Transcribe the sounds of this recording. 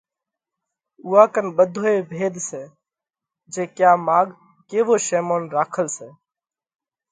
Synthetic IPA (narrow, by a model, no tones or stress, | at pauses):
uːaːkənɓəd̪ʱoːeːbʱeːd̪seː | d͡ʒeːkjaːmaːɡ | keːʋoːʃeːmoːnɾaːkʰəlseː